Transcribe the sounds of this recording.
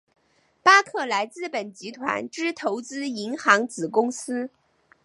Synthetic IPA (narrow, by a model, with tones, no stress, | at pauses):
pa˥kʰɤ˥˩la˧˥ɪt͡sɹ̩˥˩pə˨˩nt͡ɕi˧˥t̪ʰwa̰˧˥nʈ͡ʂɻ̩˥t̪ʰo˧˥ʊt͡sɹ̩˥i˧˥ŋxɑ˧˥ŋt͡sɹ̩˨˩kʊ˥ŋsɹ̩˥